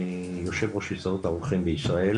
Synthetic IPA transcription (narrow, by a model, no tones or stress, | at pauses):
joʃe̞vʁoʃisaʁut̪aʁuχimbeisʁael